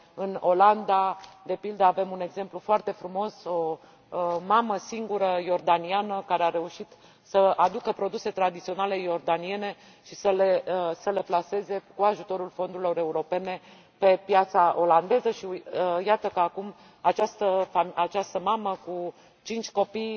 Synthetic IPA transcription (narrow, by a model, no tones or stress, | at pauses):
ɨno̞land̪ad̪e̞pild̪əave̞mune̞ɡze̞mplufoart̪e̞fɾumo̞so̞ | maməsiŋɡuɾəjo̞rd̪anianəkaɾeaɾe̞uʃit̪ | səad̪ukəpɾo̞d̪use̞t̪ɾad̪it̪sio̞nale̞jo̞rd̪anie̞ne̞ | ʃisəlesəle̞plase̞ze̞kuaʒut̪o̞ɾulfo̞nd̪uɾilo̞ɾe̞uɾo̞pe̞ne̞ | pe̞pjat̪saʔo̞land̪e̞zəʃiəjat̪əkəakum | at͡ʃast̪əfamat͡ʃast̪əmaməku | t͡ʃint͡ʃʲko̞pij